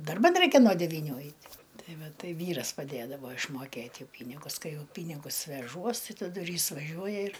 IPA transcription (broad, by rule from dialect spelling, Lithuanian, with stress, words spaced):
dɐrˈbɐn ˈrɐɪkʲɛ noː dʲɛʋʲiːɪˈnʲuː ˈɐɪtʲ ˈtɐɪ ˈʋɐ ˈtɐɪ ˈʋʲiːrɐs pɐˈdʲeːdɐʋoː ɪʃmoːˈkʲeːtʲ ˈjɛʊ ˈpʲiːnʲɪɡʊs ˈkɐɪ ˈjɛʊ ˈpʲiːnʲɪɡʊs ʋʲɛˈʒuɔs ˈtɐɪ tɐˈdʊ ɪr ˈjɪs ʋɐˈʒʲuɔjɛ ɪr